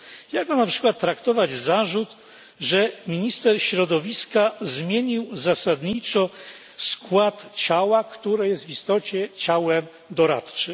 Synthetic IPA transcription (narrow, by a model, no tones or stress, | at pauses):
jaɡɔnapʂɘ̥kwat̪ːɾakt̪ɔvad͡ʑzaʐut̪ | ʐɛmʲiɲist̪ɛɾɕɾɔd̪ɔvʲiskazmʲjeɲiwzasad̪ɲit͡ʂɔ | skwat̪t͡ɕawakt̪uɾɛjɛst̪vist̪ɔt͡ɕɛt͡ɕawɛm | d̪ɔɾa̰t̪t͡ʂɨm